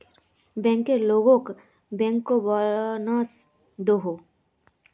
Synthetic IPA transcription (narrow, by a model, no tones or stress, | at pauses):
bɛ̃ŋkeɾloɡõk | bɛ̃ŋkːobɔnɔs | d̪oɦo